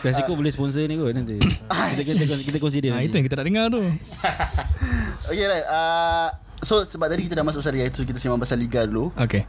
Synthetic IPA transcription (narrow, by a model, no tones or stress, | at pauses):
kas̬ikobulesəpɔns̬ənĩɡoʔnãnt̪iakit̪kikɔkit̪ək̬ɔns̬idəait̪ujãŋkit̪ənaʔdəŋart̪u | okeɾajt̪̚a | sosəbap̪̚adikit̪adaʔmasʊk̚basaliɡait̪ukit̪asimãmbasaliɡaduluoke